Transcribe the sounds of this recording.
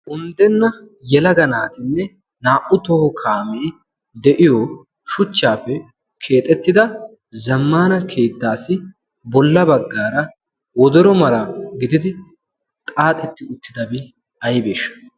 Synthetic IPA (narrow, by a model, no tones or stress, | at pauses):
ʔʊnd̪ɛnːɐ | jɛlɐɡɐnaːt̪ɪnːɛ | naːʔʊt̪ɔhɔkʰaːmeː | d̪ɛʔɪjɔ | ʃʊt͡ʃːaːfːɛ | kʰe̞ːt̪ʼːɛt̪ːɪd̪ɐ | zɐmːaːnɐkʰe̞ːd̪ːaːsɪ | bɔlːɐbɐɡːaːɾɐ | wɔd̪ɔɾɔmɐɾɐɡɪd̪ɪd̪ɪ | t̪ʼaːt̪ʼɛt̪ːɪʊt̪ːɪd̪ɐbɪ | ɐjbe̞ːʃːɐ̥